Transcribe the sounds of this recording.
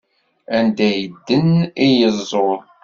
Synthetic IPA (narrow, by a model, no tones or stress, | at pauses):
ænd̪æjəd̪ːənijəzˤːoɾ